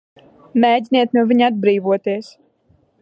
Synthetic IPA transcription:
meːdʲiniɛt̪nuɔviɲad̪̚bɾiːvuɔt̪iɛs

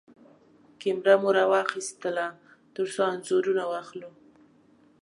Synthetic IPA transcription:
kɪmɾamoɾɑwɑxist̪əla | t̪əɾsoanzoɾunawɑxlu

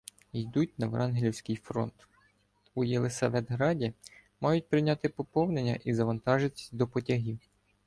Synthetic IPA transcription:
ijd̪ut̚ʲnɐʋɾʔɑnɦlʲiwsʲkɪjfɾɔ̰nt̪ | ujelˠesɐʋɛd̪ɦɾɑdʲimɑjʊt̚ʲpɾɪnʲɑt̪ɪpɔpɔwne̞nʲːɐ̰ʔizɐʋɐnt̪ɑʒɪd̪ɔpɔtʲɐɦʲiw

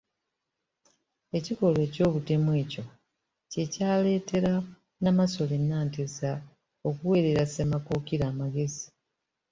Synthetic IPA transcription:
e̞ciko̞lwe̞ːco̞ːβute̞mwe̞ːco̞ | ce̞caːle̞ːte̞ɾa | namaso̞lenːaːntesa | o̞kuwe̞ːɾe̞ɾasemakoːkiɾaːmaɡe̞zi

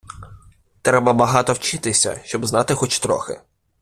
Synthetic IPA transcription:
t̪ɾɛbɐbɐɦɑt̪ɔwt͡ʃɪt̪ɪsʲɐ̰ʃt͡ʃɔbznɑt̪ɪxɔt͡ʃt̪ɾɔ̰xɪ̰

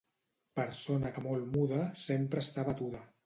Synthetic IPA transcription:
pəɾsonəkəmolˠmuðəsempɾəːst̪aβət̪uðə

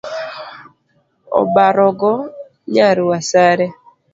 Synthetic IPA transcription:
ɔ̰baɾɔɡɔ | ɲaɾuwasaɾɛ

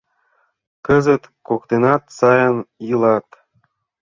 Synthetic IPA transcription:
kə̆zə̆t̪kokt̪enɑt̪sɑjɤnjɯlˠɑt̪

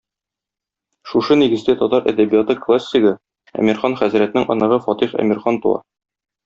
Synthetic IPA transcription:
ʃuʃɤniɡɘ̆zd̪æt̪ɒt̪ɑɾæ̰d̪æbijat̪ɤklˠasʲːiɡɤ | æ̰mʲiɾχɑnχæzɾæt̪nɘŋʔɒ̰nɤ̆ʁɤfɒt̪iχæ̰mʲiɾχɑnt̪uɑ̰

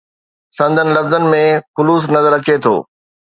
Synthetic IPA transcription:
sɐ̃nd̪ʱənɪ̆lɐfzənɪ̆mẽxʊluːsnɐzəɾɐt͡ɕet̪ʰo̰ː

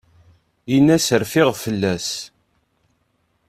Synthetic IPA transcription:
inːæsəɾfɪʁfəlːæs

